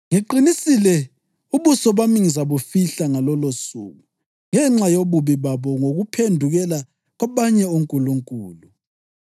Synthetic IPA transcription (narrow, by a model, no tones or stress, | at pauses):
ŋiǃinisilɛ | uβusɔβamiŋizaβofiɬaŋalɔlosṵɣu | ŋɛŋ͡ǁajoβuβiβaβɔŋoɣupʰendʱuɣɛla | ɣwaβaɲɛoŋkʼuluŋkʼuːlu